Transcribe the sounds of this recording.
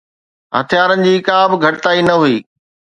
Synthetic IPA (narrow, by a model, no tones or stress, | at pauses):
ɦɐt̪ʰijaːɾənɪ̆d͡ʑiːkaːbɪ̆ɡʱɐʈɪt̪aːinɐɦuiː